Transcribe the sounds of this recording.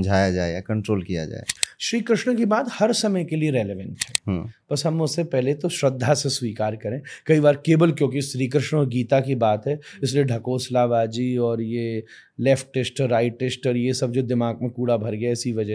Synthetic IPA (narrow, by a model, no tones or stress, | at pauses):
md͡ʒʱaːjad͡ʒaːḛjakɐ̃ɳʈɾoːlkija̰d͡ʒa̰ːḛʃɾiːkɾɪʃɳəkibaːt̪hɐɾsɐməjkelieɾeːleʋə̃ɳʈɦɛːɦːpɐsɦɐmʊssepɛɦlet̪oʃɾɐd̪ʱːaseswiːkaːɾkɐɾẽːkɐibaːɾkeːbəlkjõːk̬iʃɾiːkɾɪʃɳəɔːɾɡiːt̪akibaːt̪ɦɛːɪs̬lieɖʱɐkoːslaːbaːd͡ʒiːɔːɾje | lɛːfʈːeːsʈɾːaːɪʈʈːeːsʈəɾjesɐb̚d͡ʒoːd̪ɪmaːɡ̚mẽkuːɽabʱɐɾɡəjaɪsiʋɐd͡ʒə